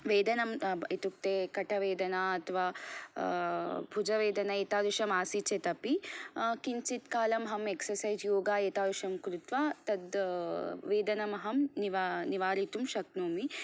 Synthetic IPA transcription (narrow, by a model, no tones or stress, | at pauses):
ʋeːd̪ɐnɐmit̪uk̚t̪eːkɐʈʰɐʋeːd̪ɐnaɐt̪ʰɐʋaː | bʱud͡ʒɐʋeːd̪ɐnɐeːt̪aːd̪uʃɐmaːsit͡ʃet̪ɐpikiɲt͡ʃit̪kaːlɐmɦɐmeksɐɾsɐjd͡ʒjoːɡaːeːt̪aːd̪uʃɐmkɾut̪ʋaːt̪ɐd̪ | ʋeːd̪ɐnɐmɐɦɐmniʋaniʋaːɾit̪umʃɐknoːmi